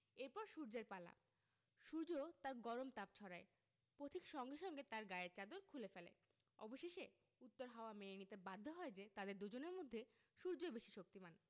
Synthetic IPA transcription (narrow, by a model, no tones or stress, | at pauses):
eɾpɔɾʃuɾd͡ʑeɾpala̰ | ʃuɾd͡ʑot̪aɾɡɔɾomt̪ap̚t͡ɕʰɔɾae | pɾot̪ʰikʃɔŋɡeʃɔŋɡet̪aɾɡaeɾt͡ɕad̪oɾkʰulefelḛ | ɔ̰boʃeʃe | ut̪ːoɾɦaoameenit̪ebad̪ʱːoɦɔed͡ʑet̪ad̪eɾd̪ud͡ʑoneɾmod̪ʱːe | ʃuɾd͡ʑoebeʃiʃok̚t̪iman